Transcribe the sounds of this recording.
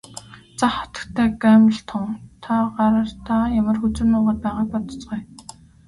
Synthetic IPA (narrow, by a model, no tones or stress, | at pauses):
t͡saχɔ̥t̪ə̥̆kt̪ʰæːɡæːmə̆ɬt̪ʰʊŋt̪ʰaɢaɾə̆r̥t̪ʰaːjamə̆rxut͡sɘ̆nʊːʁaːt̪̚pæːʁaːk̚pɔt̪ɞ̥̆t͡sɢuj